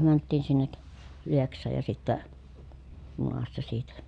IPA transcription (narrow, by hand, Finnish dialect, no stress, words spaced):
mæntːiːn sinːek lieksˑɑːj jɑ sitːæ junɑsːɑ siːtæ